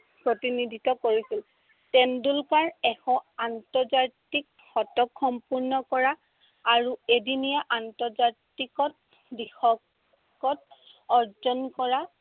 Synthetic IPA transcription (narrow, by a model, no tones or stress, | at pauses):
pɹotinidʱitɔkoɹisil | tɛndulkaɹɛxɔantɔzatik̚ | xɔtɔkxɔmpuɹnɔkɔɹaː | ɹuedinijaʔantɔɹzatikɔt̚ | bixɔk | kɔt̚ | ɔɹzɔnkɔɹa